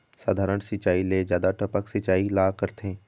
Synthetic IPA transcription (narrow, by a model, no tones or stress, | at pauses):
saːd̪ʱaːɾəɳ̃sɪt͡ʃaːileːd͡ʒjaːd̪aʈəpəksɪt͡ʃaːilaːkəɾt̪ẽː